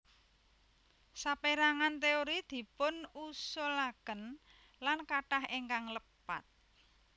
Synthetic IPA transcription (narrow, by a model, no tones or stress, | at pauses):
sapeɾaŋant̪eoɾid̪̥i̤pʊnusɔlaɡ̥ən | lankaʈaheŋkaŋləpa̰t̪̚